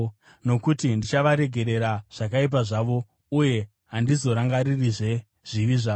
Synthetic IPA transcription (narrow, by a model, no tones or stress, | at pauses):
no̞kutindit͡ʃaʋaɾe̞ɡʱe̞ɾe̞ɾaʐ̥ak̬aip̬aʐaʋo̞ | uje̞ | ɦandizo̞ɾaŋɡaɾiriʐe̞ | ʐ̥iʋiʐaːo